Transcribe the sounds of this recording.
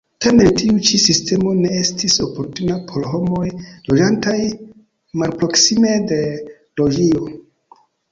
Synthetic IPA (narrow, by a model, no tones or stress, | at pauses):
tame̞ntiut͡ʃisiste̞mo̞ne̞estiso̞po̞ɾtunapʰo̞lho̞mo̞jlo̞d͡ʒantaj | malpɾo̞ksime̞de̞ | lo̞d͡ʒio